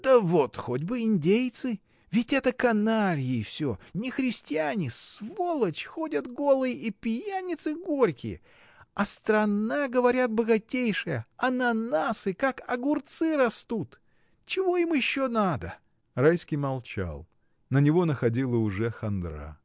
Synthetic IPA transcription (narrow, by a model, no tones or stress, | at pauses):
d̪̥əvot̪xodʲbɨɪnʲdʲejt̪sɨ | vʲɪtʲɛt̪əkɐnaɾʲɪjɪːfsʲonʲɪxɾʲɪsʲtʲɪanʲɪssvolˠət͡ɕxo̞dʲət̪ɡo̞lˠɨjʔipʲjanʲɪt̪sɨɡo̞ɾʲkʲɪ̰jə̰ | ɐst̪ɾɐnaɡəvɐɾʲat̪̚bəɡɐtʲejʂɨjəɐnɐnasɨkakɐɡʊrt̪sɨɾɐst̪ut̪ | t͡ɕɪvo̞imjɪɕːonad̪ə | rajskʲɪjmɐlˠt͡ɕa̰lˠ | nənʲɪvo̞nəxɐdʲilˠəʊʐɛxɐnd̪ɾa̰